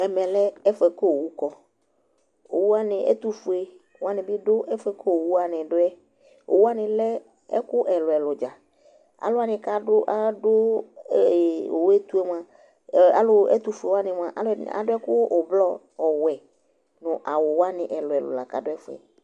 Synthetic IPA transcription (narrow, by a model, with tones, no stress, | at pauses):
ɛ˨mɛ̃˨lɛ˦ɛ˦fɛ˨ko˦˨wu˦kɔ˨ | o˨wu˦a˦nɪ̃˨ʔɛ̰˦t̪u˦fʊ˨e˦˨ | wa˦nɪ̃˨bɪ˦dʊ˦ʔɛ˦fɛ˦ko˦˨wu˦a˨nɪ̃˨dʊ˦ɛ˦ | o̰˨wu˦a˦nɪ̃˨lɛ˦ | ɛ̰˦kʊ˦ʔɛ˨lʊ˨ɛ˨lʊ˨d͡ʒa˨ | a̰˨lʊ˦a˦nɪ̃˨ka˦dʊ˦ʔa˦dʊ˦˨ | o̰˨wɛ˦t̪u˦e˦m˦a˨ | a̰˨lʊ˦ɛ̰˦t̪u˨fʊ˨e˨wa˦nɪ̃˨m˦˨a˨ʔa˦la̰˨dʊ˦ɛ˦kʊ˦ʊ˨blɔ˦ | ɔ˨wɛ˨ | nʊ̃˨ʔa˨wʊ˨wa˦nɪ̃˨ʔɛ˨lʊ˨ɛ˨lʊ̰˨la˨ka˦dʊ˦ɛ˦fʊ˨˦ɛ̰˨